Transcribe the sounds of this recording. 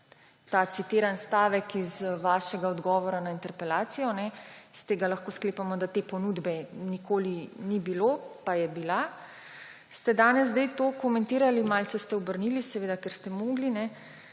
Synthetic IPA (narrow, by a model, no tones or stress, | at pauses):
t̪at̪sit̪eːɾanst̪aːʋɛkizʋaːʃɛɡaɔd̪ɡɔːʋɔɾanaint̪ɛɾpɛlaːt̪sijɔnɛst̪eːɡalaxkoːskleːpamɔd̪at̪eːpɔnud̪bɛnikʰoːlinibilopajɛbila | st̪ɛd̪aːnɛzzd̪ɛjt̪oːkɔmɛnt̪iːɾalimalsɛst̪ɛɔbəɾnilisɛʋeːd̪akɛɾst̪ɛmoːɡlinɛ